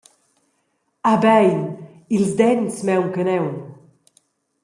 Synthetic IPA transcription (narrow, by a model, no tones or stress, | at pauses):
abɛjn | ilzd̪ɛnsmɛwŋkənɛwn